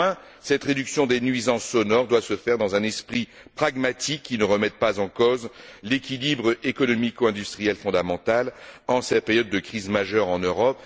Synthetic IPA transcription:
ɛ̃ | sɛt̪ʁed̪yksjɔ̃d̪enɥizɑ̃sːɔnɔʁd̪wasəfɛʁd̪ɑ̃zɛ̃nɛspχi | pχaɡmat̪ikːinəʁəmɛt̪̚pazɑ̃kozlekʲilibʁekɔnɔmikuɛ̃d̪yst̪χijɛlfɔ̃d̪amɑ̃t̪alɑ̃sɛt̪pɛʁjɔd̪̚ːəkχizmaʒœʁɑ̃nøʁɔp

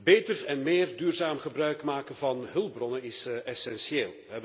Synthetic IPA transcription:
beːjtərɛnmeːrdyːrzaːmχəbrœɥkmaːkənvɑnɦɵlˠbrɔnənɪsɛsɛnsjeːlˠəɦɛb

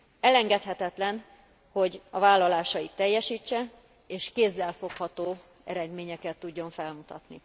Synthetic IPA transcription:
ɛlɛŋɡɛt̪hɛt̪ɛt̪lɛn | ho̞ɟɒvaːlːɒlaːʃɒit̪ːɛjːɛʃiːt͡ʃːɛ | eːʃkeːzːɛlfo̞khɒt̪oː | ɛ̰ɾɛd̪meːɲɛkɛt̪ːuɟːo̞ɱfɛlmut̪ɒt̪ni

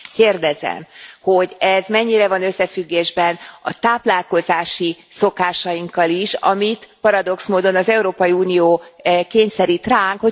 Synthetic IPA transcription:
keːrd̪ɛzɛ̰mho̞ɟɛzmɛɲːiɾɛvɒnøsːɛfyɡːeːʒbɛnɒt̪aːplaːlko̞zaːʃi | so̞kaːʃɒjiŋkːɒliʃɒ̰mit̪pɒɾɒd̪o̞ksmoːd̪o̞nɒzɛuɾoːpɒjiuːnioːkeːɲsɛɾit̪raːŋkho̞

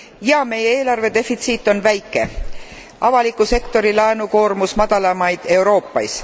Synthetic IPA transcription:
jɑme̞jeeːlɑrve̞d̪̥e̞fit̪siːt̪ːˑo̞nvæjkːˑe̞̰ | ɑvɑlikːˑuse̞kt̪o̞ɾilɑenuko̞ːrmusmɑd̪̥ɑlɑmɑjd̪̥e̞uɾo̞ːpːˑɑjs

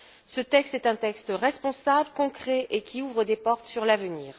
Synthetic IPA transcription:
sət̪ɛkst̪ɛt̪ɛ̃t̪ɛkst̪ʁɛspɔ̃sabləkɔ̃kχɛʔekʲʰiuvʁəd̪epɔʁt̪syʁlavəniːʁ

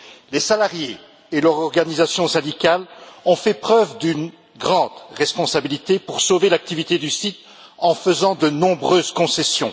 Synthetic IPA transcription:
lesalaʁjeː | lœʁɔʁɡanizasjɔ̃sɛ̃d̪ikʲalɔ̃fɛpχœvd̪yn | ɡʁɑ̃d̪ʁɛspɔ̃sabilit̪epuʁsovelak̚t̪ivit̪ed̪ysit̪ | ɑ̃fəzɑ̃d̪ənɔ̃bʁøːzkɔ̃sɛsjɔ̃

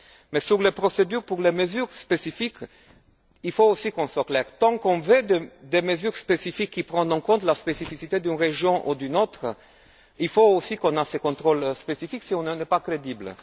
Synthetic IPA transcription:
mɛsyʁlepχosed̪yʁpuʁleməzyʁspesifik | ilfoosikɔ̃swaklɛʁt̪ɑ̃kɔ̃ved̪ed̪eməzyʁspesifikʰːipʁɑ̃nd̪ɑ̃kɔ̃nt̪laspesifisit̪ed̪ynʁeʒjɔ̃ʔud̪ynot̪χə | ilfoosikɔ̃nasekɔ̃t̪χolspesifiksiɔ̃nnɛpakʁed̪ibl

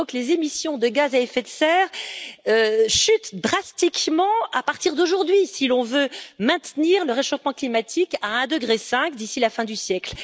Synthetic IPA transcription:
ɔ̃klezemisjɔ̃d̪əɡazaɛfɛt̪sɛːʁøʃyt̪d̪ʁast̪ikmɑ̃apaʁt̪iʁd̪oʒuʁd̪ɥisilɔ̃vømɛ̃t̪niʁləʁeʃofmɑ̃klimat̪ʰikaɛ̃d̪əɡʁesɛ̃kd̪isilafɛ̃d̪ysjɛkl

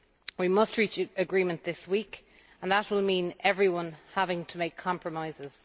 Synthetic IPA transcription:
wimʌstʰɹiˑt͡ʃəɡɹĩːmə̃nðɪswiˑk | ə̃nðət̚wɪlˠmĩːnɛvɹiwʌ̃nhavɪ̃ŋtʰəmeɪkʰɑ̃mpʰɹəmaɪzɪz̥

